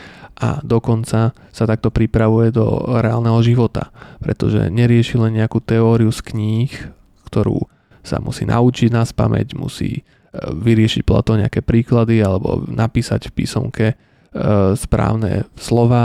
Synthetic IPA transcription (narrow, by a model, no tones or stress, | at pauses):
ʔa̰d̪ɔkɔnt͡sa | sat̪ak̚t̪ɔpɾipɾaʋujɛd̪ɔ̰ɾɛaːlnɛɦɔʒiʋɔt̪a̰pɾɛt̪ɔʒɛ̰ɲɛɾɪɛʃilɛnɲɛakuːt̪ɛɔːɾiuskɲiːx | kt̪ɔɾṵː | sa̰mʔṵsiːnʔa̰ut͡ʃiɟnaspa̰mɛ̰ɟmṵsḭː | ʋiɾɪɛʃic̚pla̰t̪ɔʊɲɛakɛːpɾiːklad̪ialɛbɔ̰nʔapiːsa̰cfpḭːsɔ̰mkʰɛ | spɾa̰ːʊnɛ̰slɔʋaː